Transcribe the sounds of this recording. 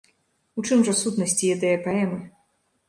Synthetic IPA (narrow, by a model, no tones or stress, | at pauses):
ut͡ʂɨmʐɐsut̪nɐsʲt͡sʲijɛd̪ɐjɛpaɛmɨ